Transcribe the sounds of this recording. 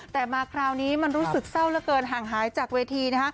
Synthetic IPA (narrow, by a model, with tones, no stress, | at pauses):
t̪ɛː˨˩maː˧kʰɾaː˧wniː˦˥ma˧nɾuː˦˥sɯ˨˩k̚sa˥˩wlɛ˦˥kɤː˧nɦaː˨˩ŋɦaː˩˦jt͡ɕaː˨˩k̚weː˧t̪ʰiː˧na˦˥kʰa˦˥